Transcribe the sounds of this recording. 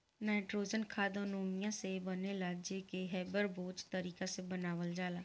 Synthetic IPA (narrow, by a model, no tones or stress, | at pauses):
naːʈɾoːd͡ʒənkʰaːd̪õnoːmɪjãːsebəneːlaɡd͡ʒeːkeɦɛːbəɾboːt͡ʃt̪əɾiːkasebənaːʋəld͡ʒaːlaː